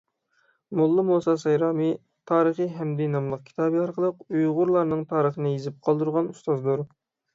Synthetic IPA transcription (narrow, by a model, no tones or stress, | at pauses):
mulˠːɨmosɑsɑjɾɑːmɨ | t̪ʰɑːɾəχəɦɛmd̪ɛnɑmlˠəq̚kʲʰi̥t̪ʰɑːbɨɑɾqʰəlˠəqujʁʊɾlˠɑɾnɨŋt̪ʰɑːɾəχənɨjezɪp̚qʰɑlˠd̪uɾʁɑnust̪ɑzd̪uɾ